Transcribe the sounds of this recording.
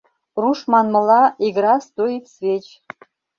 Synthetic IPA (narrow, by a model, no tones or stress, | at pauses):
ruʃmɑnmɤ̆lɑiɣɾɑst̪ojit̪svʲet͡ɕ